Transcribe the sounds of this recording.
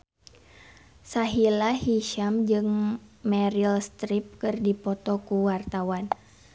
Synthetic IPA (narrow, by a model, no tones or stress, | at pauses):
saɦilahiʃamd͡ʒɨŋmɛɾilst̪ɾip̚kɨrdipɔt̪ɔkuwart̪awan